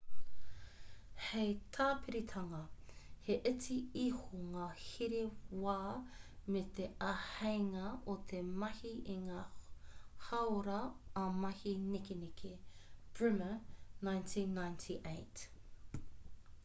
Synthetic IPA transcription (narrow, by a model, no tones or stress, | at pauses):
hejt̪ʰaːpʰiɾit̪ʰɐŋɐheʔet͡siihuŋaːhiɾewaːmet̪eɐhejŋɐot̪ʰemɐhiʔiŋaː | hɐwɾɐːmɐhinikenikʰeb̥ɹʉmənajntʰiːnːajntʰiʔejt